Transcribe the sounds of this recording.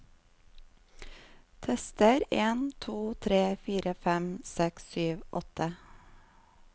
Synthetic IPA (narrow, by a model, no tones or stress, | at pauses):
t̪ʰɛst̪əɾeːnt̪ʰuːt̪ʰɾeːfiːɾəfɛmsɛksyːʋʔɔt̪ʰə